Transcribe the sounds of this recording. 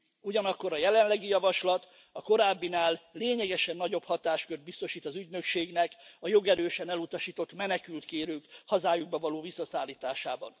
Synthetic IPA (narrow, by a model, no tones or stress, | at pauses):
uɟɒnɒkːo̞ɾɒjɛlɛnlɛɡijɒvɒʃlɒt̪ | ɒko̞ɾaːbːinaːlːeːɲɛɡɛʃɛnːɒɟo̞phɒt̪aːʃkørd̪̚bist̪o̞ʃiːt̪ɒzyɟnø̞kʃeːɡnɛkɒjo̞ɡɛɾøːʃɛnɛlut̪ɒʃiːt̪o̞t̪mɛnɛkylt̪keːɾøːkhɒzaːjuɡ̚bɒvɒloːvisːɒsaːlːiːt̪aːʃaːbɒ̰n